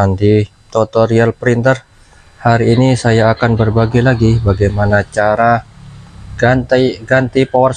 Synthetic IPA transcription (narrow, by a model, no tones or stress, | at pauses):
ant̪i | t̪ot̪oɾialpɾint̪ər | haɾiːnisajaːkanbərbaɡalaɡibaɡajmanat͡ʃaɾa | ɡant̪aɡant̪ipawars